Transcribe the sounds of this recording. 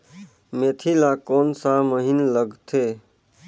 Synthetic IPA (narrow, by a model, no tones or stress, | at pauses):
met̪ʰilakonsaməɦinləɡt̪ʰe